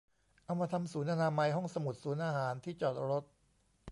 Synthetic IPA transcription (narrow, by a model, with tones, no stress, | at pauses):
ʔa˧ma˧t̪ʰa˧msuː˩˦nʔaː˧naː˧ma˧jɦɔ˥˩ŋsa˧mu˨˩t̪̚suː˩˦nʔaː˧ɦaː˩˦nt̪ʰiː˥˩t͡ɕɔː˨˩t̪̚ɾo˦˥t̪̚